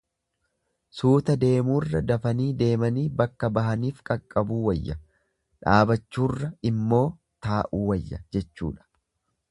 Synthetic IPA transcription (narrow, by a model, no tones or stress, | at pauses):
suːt̪ɐd̪e̞ːmuːrːɐd̪ɐfɐniːd̪e̞ːmɐniːbɐkːɐbɐɦɐniːfkʼɐkʼːɐbuːwɐjːɐ | ᶑaːbɐt͡ʃːuːrːɐɪmːo̞ː | t̪aːʔuːwɐjːɐ̰d͡ʒɛt͡ʃːṵːᶑɐ̥